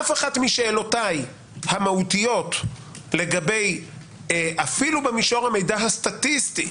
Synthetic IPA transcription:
afeχatmiʃeːlotaj | hamahutijo̞t | le̞ɡabej | ʔafilubemiʃoʁhame̞jdaɦastatisti

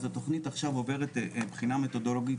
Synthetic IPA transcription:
zato̞χnitaχʃavo̞ve̞ʁetbχiname̞to̞do̞loɡit

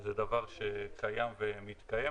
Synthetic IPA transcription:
zɛd̪avaʁʃekʰajamvemit̪kaje

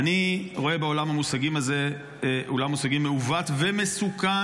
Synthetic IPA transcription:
aniʁo̞e̞beo̞lamamusaɡimaze | olamusaɡimːeuvat̪vemesuka

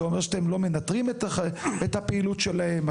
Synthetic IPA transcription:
eomeʁʃat̪emlo̞menat̪ʁimet̪et̪hapeilut̪ʃelaem

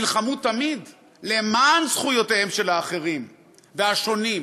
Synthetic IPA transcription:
lχamut̪ːamid̪ | le̞mansχujo̞tehemʃe̞laːχe̞ʁim | veaʃo̞nim

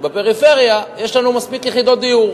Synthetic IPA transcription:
bepe̞ʁife̞ʁjajeʃlanumaspikjeχid̪o̞t̪̚d̪ijuʁ

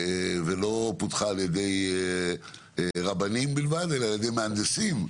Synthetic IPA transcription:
velo̞putχaːljede̞j | ʁabanimbilvad̪e̞laljed̪e̞jmeand̪esim

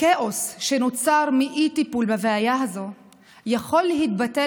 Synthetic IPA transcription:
keʔosʃe̞not͡saʁmiʔit̪ipulbeveajaɦazo̞ | jaχo̞lːeɦit̪̚bate

